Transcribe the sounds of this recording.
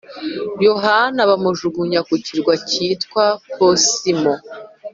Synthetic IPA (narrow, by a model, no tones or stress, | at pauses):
joɦanaβamuʒuɡuɲakuciɾɡwacitkwaposimo